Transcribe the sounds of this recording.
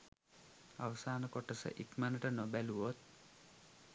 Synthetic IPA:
a̰ʋəsaːnəkoʈəsə̰ʔikmanəʈənobæluʋot̪̚

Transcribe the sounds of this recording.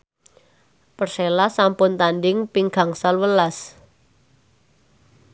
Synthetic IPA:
pərselasampʊnt̪anɖɪŋpiŋɡ̥a̤ŋsalwəlas

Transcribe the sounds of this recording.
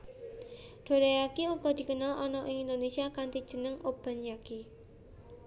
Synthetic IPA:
d̪̥o̤ɾajakiuɡɔd̪̥i̤kənalʔɔnɔʔɪŋind̪onesiakant̪id̥ʒ̥ə̤nəŋʔob̥a̤njaki

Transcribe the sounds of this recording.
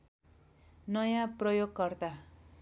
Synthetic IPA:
nʌjãprʌjoɡ̚kʌrt̪a

